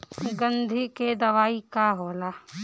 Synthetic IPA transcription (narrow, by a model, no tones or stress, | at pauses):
ɡə̃nd̪ʱiked̪ɐʋaːikaɦoːlaː